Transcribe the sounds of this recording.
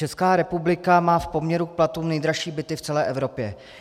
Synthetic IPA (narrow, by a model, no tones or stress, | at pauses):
ɛskaːɾɛpublɪkamaːfpo̞mɲɛɾuk̚plat̪uːmnɛjd̪ɾaʃiːbɪt̪ɪft͡sɛlɛːʔɛvɾo̞pjɛ